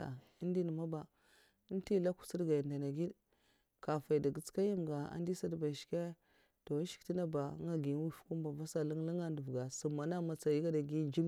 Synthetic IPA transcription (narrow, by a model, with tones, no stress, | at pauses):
a̰˨ | i˦n˦di˦n˨ma˦ba˨˦ | n˦ti˦la˦ku̥˨si˦ɡa˨ja˨nda˨na˨ɡi˦d | ka˨fa˨i˨da˨ɡə˨t͡ska˦ja˦mɡa˨a̰˦n˦di˦sa˦dba˨ʃke˦ | to˨˦ʃi̥˨˦ti˦na˦ba˨˦a˦ɡi˨˦wu˦fku˦mba˨va˦sa˨lu˦ŋla˦ŋa˦ndu˨vɡa˨su˨mːa˨na˦ma˨t͡sa˨ji˦ɡa˦da˨ɡi˦d͡ʒi˦